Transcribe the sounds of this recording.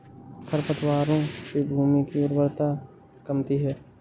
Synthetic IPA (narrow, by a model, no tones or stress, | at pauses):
kʰəɾpət̪ʰwaːɾõkibʱuːmikiʊɾbəɾt̪a | kəmt̪iɦɛː